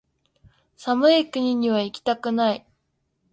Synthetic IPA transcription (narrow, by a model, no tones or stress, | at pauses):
samɯ̟ikɯ̟ɲ̟iɲ̟iβaikʲi̥t̪akɯ̟nai